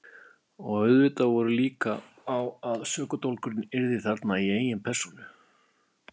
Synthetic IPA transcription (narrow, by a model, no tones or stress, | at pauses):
ɔɣœɥðvɪt̪avɔɾʏliːkaː | waðsœːkʏt̪owlkʏɾɪnɪɾðɪθaɾt̪naieːjɪnpʰɛɾ̥sunʏ